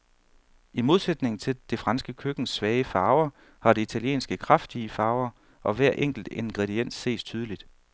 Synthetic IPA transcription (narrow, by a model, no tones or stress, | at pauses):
imo̝ð̞ˠsed̥ne̝ŋn̩t͡sʰe̝ld̥e̝fʁɑ̈nsɡ̥əkʰøɡ̥n̩sʋɛːɪəfɑ̈ːʊɐ | hɑ̈ɾe̝it͡sʰæljḛːnsɡ̥əkʰʁafd̥iəfɑ̈ːʊɐ | ʔɒ̽ʋæɐ̰ʔeŋ̰ɡ̥l̩d̥e̝nɡ̥ʁɛɾien̰sːe̝̰ːst͡sʰyːð̞ˠəlid̥